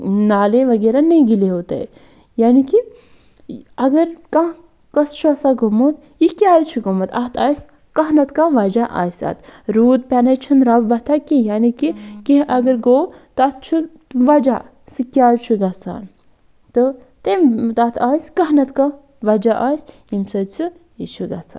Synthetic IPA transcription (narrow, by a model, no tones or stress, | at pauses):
naːleʋɐɡeːɾanẽɡileɦoːt̪ḛ | jaːniki | ɐɡəɾkã | kɐst͡ʃʰasaːɡomut̪ | ikʲaːɾt͡ʃʰuɡomɐt̪ɐt̪ʰaːjs | kɐɦnɐt̪kãːʋɐd͡ʒaʔa̰ːjsa̰ːt̪ɾuːd̪̚pʲanɐt͡ʃʰunɾɐbbɐt̪ʰakijaːnikikiʔɐɡəɾɡoːt̪at̪̚t͡ʃʰu | ʋɐd͡ʒa | sɨkʲaːlt͡ʃʰuɡɐt͡sʰa̰ːn | t̪ɨ | t̪emt̪at̪ʰaːjskɐɦnɐt̪kã | ʋɐd͡ʒaʔaːjs | imsəsɨ | it͡ʃʰuɡɐt͡sʰa̰ːn